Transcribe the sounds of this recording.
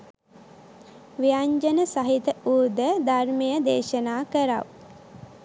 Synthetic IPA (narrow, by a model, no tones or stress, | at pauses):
ʋijaɲd͡ʒənəsaɦit̪əuːd̪əd̪armejəd̪eːʃənaːkəɾa̰ʋ